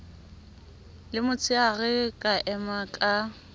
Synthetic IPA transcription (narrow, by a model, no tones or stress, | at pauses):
lɪmʊt͡sʰʼɪaɣɛkʼaʔɛmakʼa